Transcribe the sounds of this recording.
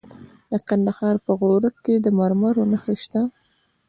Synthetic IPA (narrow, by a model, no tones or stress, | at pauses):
d̪əkand̪ahɑɾpəɣoɾəkkːed̪əmaɾmaɾonaxəʃt̪a